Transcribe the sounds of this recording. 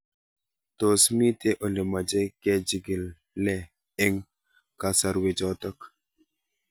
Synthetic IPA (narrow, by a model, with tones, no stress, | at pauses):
to˨smi˦te˦ʔo˨le˨ma˨d͡ʒɛ˦kɛ˦d͡ʒi˨ɡi˨lː | ɛ˨ | e˦ŋ | ka˨sa˦ɾwe˨d͡ʒɔ˦tɔ˦k